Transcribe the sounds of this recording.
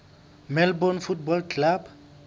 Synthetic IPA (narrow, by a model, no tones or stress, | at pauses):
melbonfuʈ̚bɔlklab